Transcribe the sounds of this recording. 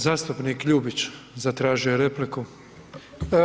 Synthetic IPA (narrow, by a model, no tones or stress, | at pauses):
zaːst̪upniːkʎuːbit͡ʃzat̪ɾaːʒijoɾepliku